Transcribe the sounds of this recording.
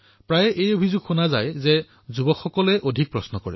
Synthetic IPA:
pɹajʔejobʱizʊɡxunaza̰jzɛ | zubɔkxɔkɔlɛʔodʱik̚pɹɔsnɔkɔɹɛ̰

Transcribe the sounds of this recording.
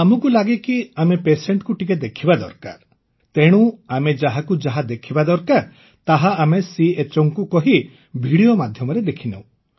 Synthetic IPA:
amɔkulaɡekiamepeseɳʈkuʈiked̪ekʰibad̪ɔ̰ɾka̰ɾ | t̪eɽ̃ũamed͡ʒaɦakud͡ʒaɦad̪ekʰibad̪ɔɾkaɾ | t̪aɦaamesiet͡ʃɔŋkukɔɦi | bʱiɽiomad̪ʱjɔmɔɾed̪ekʰinḛw̃

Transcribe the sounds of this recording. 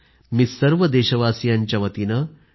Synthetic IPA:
misɐɾʋɐd̪eːʃɐʋaːsjaːnʲt͡ʃɐʋɐt̪inɐ

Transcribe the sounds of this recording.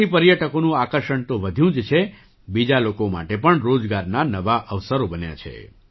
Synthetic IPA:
ipəɾjəʈəkonũakəɾʃəɳt̪õʋəd̪ʱjũd͡ʒt͡ʃʰe | bid͡ʒalokoma̰ʈepəɳɾod͡ʒɡaɾnanəʋaʔəʋsəɾobənja̰t͡ʃʰḛ

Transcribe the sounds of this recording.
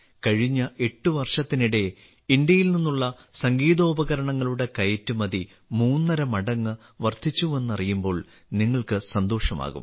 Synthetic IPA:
kɐɻiɲːɐʔe̞ʈːuʋɐrʂɐt̪ːiniɽe̞ | ind̪jɐjilninːuɭːɐsɐŋɡiːðo̞ːbɐɣɐɾɐɳɐŋːɐɭuɽe̞kɐjɐtːumɐði | muːnːɐɾɐmɐɽɐŋːɨ | ʋɐrt̪ʰit͡ɕːuʋe̞nːɐrijumbo̞ːɭ | niŋːɐɭkɨsɐnd̪o̞ːʂɐma̰ːɣṵm

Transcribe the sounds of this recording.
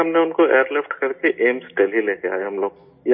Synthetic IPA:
ɦɐmneʊnkoḛːəɾlɪfʈkɐɾkeʔeːmsʈeːlɦileːkea̰ːɦeɦɐmloːɡ̚ | j

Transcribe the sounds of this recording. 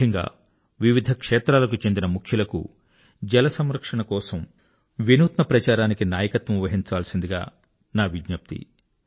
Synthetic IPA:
ɐŋɡa̰ː | ʋiʋid̪ʱɐkʂɛːt̪ɾaːlɐkut͡ʃe̞nd̪inɐmukʰjulɐkṵ | d͡ʒɛlɐsɐmɾɐkʂɐɳɐkɔːsɐm | ʋinuːt̪mɐpɾɐt͡ʃaːɾaːnikinaːjɐkɐt̪ʋɐmuʋɐɦiɲt͡ʃaːlɐsind̪iɡa̰ː | naːʋiɡɲɐp̚t̪ḭ

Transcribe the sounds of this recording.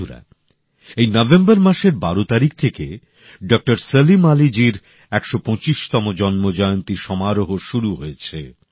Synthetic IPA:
uɾa̰ | ejnɔbembaɾmaʃeɾbaɾot̪aɾik̚t̪ʰeke | ɖɔk̚ʈaɾselimalid͡ʑiɾ | ɛkʃopɔ̃t͡ɕiʃt̪ɔmod͡ʑɔnmod͡ʑɔjont̪iʃɔmaɾoɦoʃuɾuɦoet͡ɕʰe

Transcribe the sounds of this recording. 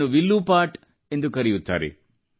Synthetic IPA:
uʋilːupaːʈ | e̞nd̪ukɐɾijut̪ːa̰ːɾḭ

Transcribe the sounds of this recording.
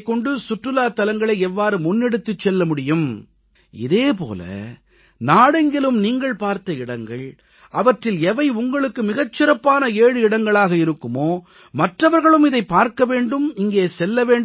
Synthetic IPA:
kːɔɳɖɯsʊʈrɯlaːt̪ɐlɐŋɡɐɭɐɪɛʋːaːɾɯmʊnːɛɽɯt̪ːɯt͡ʃːɛlːɐmʊɽɪjɯm | ɪ̰ðeːp̬o̰ːlɐ̰ | naːɽɛŋɡɪlɯmniːŋɡɐɭpaːɾt̪ɐɪɽɐŋɡɐɭ | ʔɐʋɐʈrɪlɛʋɐɪʊŋɡɐɭɯkːɯmɪɣɐt͡ʃːɪɾɐpːaːnɐeːɻɯɪɽɐŋɡɐɭaːɣɐɪɾɯkːɯmoː | mɐʈrɐʋɐɾɣɐɭɯmɪðɐɪpːaːɾkɐʋeːɳɖɯmɪŋɡeːsɛlːɐʋeːɳɖ

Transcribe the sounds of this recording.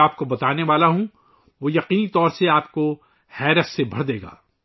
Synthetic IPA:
aːp̚kobɐt̪aːneʋaːlaɦũ | ʋoːjɐqiːnit̪ɔːɾseaːpko | hɛːɾəssebʱɐ̰ɽ̤d̪eːɡa̰ː

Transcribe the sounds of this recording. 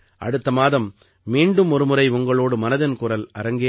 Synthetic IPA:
ʔɐ̰ɽɯt̪ːɐmaːðɐmː | iːɳɖɯmɔɾɯmɯɾɐɪʊŋɡɐɭoːɽɯmɐnɐðɐnkʊrɐlɐɾɐŋɡe

